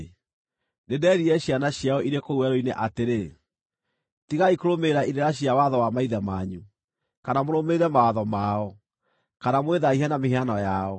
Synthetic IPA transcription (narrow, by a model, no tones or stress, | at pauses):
nedɛːɾiɛɕianaɕiaɔiɾekouɛɾoineʔateɾe | tiɣaikoɾomeɾaiɾeɾaɕiawaðɔwamaiðamaɲu | kanamoɾomeɾɛmawaðɔmaːɔ | kanamweðaiɦɛnameheanɔjaɔ